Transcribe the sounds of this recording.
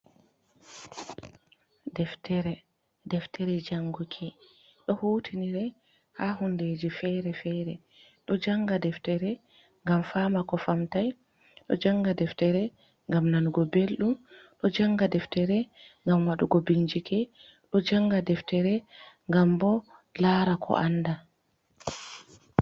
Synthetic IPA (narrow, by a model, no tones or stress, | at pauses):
dɛftɛɾɛ | dɛftʰɛɾɛd͡ʒaŋɡukʰi | ɗɔhutʰiniɾɛ | hahunded͡ʒifɛɾɛfɛɾɛ | ɗɔd͡ʒaŋɡadɛftɛɾɛ | ŋɡamfamakɔfamtaj | ɗɔ̰d͡ʒaŋɡadɛftɛɾɛ | ŋɡamnanɡɔbelɗumɗɔd͡ʒaŋɡadɛftɛɾɛŋɡamwaɗuɡobiɲd͡ʒikʰɛ | ɗɔd͡ʒaŋɡadɛftɛɾɛŋɡambɔlaːɾakʰɔ̰ʔanda